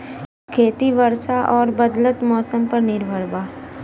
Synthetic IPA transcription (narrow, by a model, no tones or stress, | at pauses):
kʰeːt̪iʋəɾsaʔɔːɾbɐd̪lət̪mɔːsəmpɐɾnɪɾbʱəɾbaː